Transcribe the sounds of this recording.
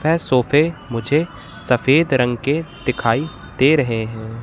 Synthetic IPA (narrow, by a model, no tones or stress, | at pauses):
ɛsoːfʰemʊd͡ʒʱe | sɐfeːd̪ɾɐ̃ŋɡked̪̥ɪkʰaːi | d̪eɾɐɦeɦɛ̃ː